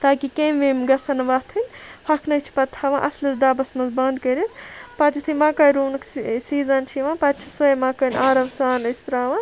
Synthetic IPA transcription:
t̪aːkikemʋemɡɐt͡sʰɐnɐʋat̪ʰɨnʲpʰɐkʰnɐt͡ʃʰi̥pɐt̪ʰːaʋã̰ːʔɐ̰slɐsɖaːbɐsmɐzbɐnd̪kɐɾit̪ʰpɐt̪ʰit̪ʰimaːkɐjɾuːnɐksiːzɐnt͡ʃʰiʋãːpɐt̪̚t͡ʃʰisojmaːkɐnʲaːɾɐʋsaːnɐst̪ɾaːʋa

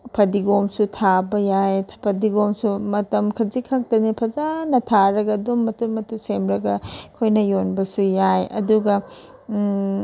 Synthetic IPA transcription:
pʰɐdiɡomsutʰabɐjajʰpʰɐdiɡomsumɐtɐmkʰɐzikʰak̚tɐnipʰɐzanɐtʰaɾɐɡɐdomːɐtumɐtusemɾɐɡɐkʰojnɐjonbɐsujajɐ̰duɡɐ

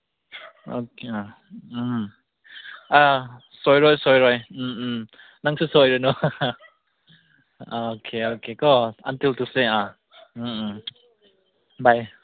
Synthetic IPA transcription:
okʰea | a | sojɾɔjsɔjɾɔj̩ | naŋsɯsojɾɯnɔ | okʰeokʰekɔɐ̰ntiltusea | baj

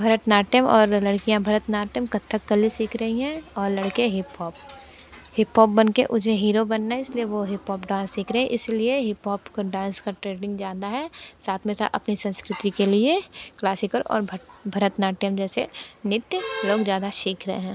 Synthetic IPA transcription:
bʱɐɾət̪naːʈjəmɔːɾlɐɽkijãbʱɐɾət̪naːʈjəmkɐt̪ʰːəkːəlisiːkʰɾɐɦiɦɛ̃ɔːɾlɐɽkeɦɪpɔːp | hɪpɦoːp̚bɐnkeʔʊd͡ʒẽɦiːɾobɐnːaɦɛɪslieʋoɦɪpɦɔːpɖãːnsiːkʰɾɐɦɛ̃ʔɪslieɦɪpɦɔːpkoɖãːnskaʈɾeːɖɪ̃ŋɡd͡ʒjaːd̪aɦɛːsaːt̪ʰmẽsa̰ʔɐpnisɐ̃nskɾɪt̪ikelieklaːsɪkəlɔ̰ːɾbbʱɐɾət̪naːʈjəmd͡ʒɛːsenɪt̪jloːɡd͡ʒjaːd̪aʃiːkʰɾɐɦḛɦɛ̃ː

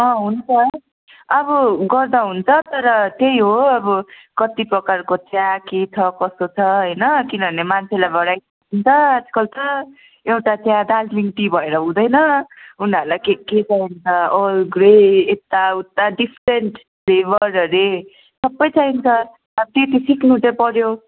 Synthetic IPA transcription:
ʌ̃ɦunt͡sʰʌ | ʌbʌɡʌrd̪aɦunt͡sʰʌt̪ʌɾʌt̪ejɦoʌbʌkʌt̪iprʌkarkot͡sjãket͡sʰʌkʌst̪ot͡sʰʌɦʌjnʌkinʌbʱʌnemant͡sʰelajbʱʌɽaj | tʰint͡sʰʌad͡z̥kʌlt̪ʰʌ | ewʈat͡sjãd̪ad͡zliŋʈibʱʌeɾʌɦũd̪ʌjnʌunaɾlajkeket͡saint͡sʰʌlɡɾeet̪ːaut̪ːaɖipʰɾeɳʈ | leβʌɾʌɾe | sʌbːʌjt͡saint͡sʰʌː | bʌt̪et̪isiknut̪apʌɾjo

